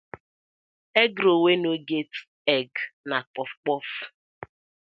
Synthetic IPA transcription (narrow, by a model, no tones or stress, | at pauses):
ɛɡɾowenoɡet | ɛɡnak͡pɔfk͡pɔf